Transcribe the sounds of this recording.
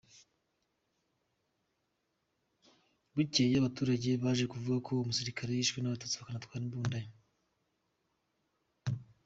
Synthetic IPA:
βucejaβatuːɾaɟe̞βaʒekuvuɡakʰo̞umusiɾikʰaɾejiːʃɡwenaβatot͡siβakanatkwaːɾiβuːndaɲo

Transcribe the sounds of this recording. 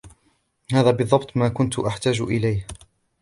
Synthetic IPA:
haːðaːbɨðˤːɑbt̪ˤmaːkʊnt̪ʊʔaħt̪aːd͡ʒʔɪlajh

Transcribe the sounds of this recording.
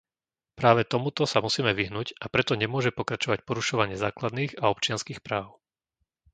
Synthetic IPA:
pɾaːʋɛt̪ɔmut̪ɔsamusiːmɛʋiɦnuɟapɾɛt̪ɔɲɛmʊɔʒɛpɔkɾat͡ʃɔʋac̚pɔɾuʃɔʋaɲɪɛzaːklad̪niːɣaɔp̚t͡ʃɪanskiːxpɾaːʊ

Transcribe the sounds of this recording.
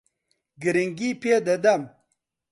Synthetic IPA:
ɡiɾiŋɡiped̪ɐd̪ɐm

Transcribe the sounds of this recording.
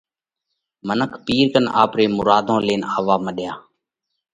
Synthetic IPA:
mənəkʰpiːɾkəna̰ːpɾeːmʊɾaːd̪ʱõːleːnaːʋaːməɗjaː

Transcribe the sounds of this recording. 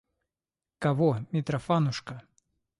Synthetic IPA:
kɐvɔmʲɪt̪ɾɐfanʊʂkɐ

